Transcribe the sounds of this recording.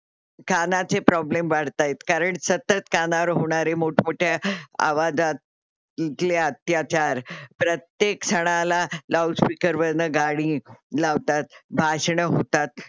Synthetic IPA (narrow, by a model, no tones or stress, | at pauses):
kʰanat͡sepɾɔblemʋaɽ̤t̪ajet̪kaɾəɳsət̪ət̪kʰanaɾɦoɽ̃aɾemoʈʰmoʈʰjaa̰ʋad͡za | t̪leət̪jat͡ɕaɾpɾət̪jeksəɽ̃alalawspikəɾʋənəɡaɽ̃ĩːlaʋt̪at̪̚bʱaɕɳəɦot̪at̪̚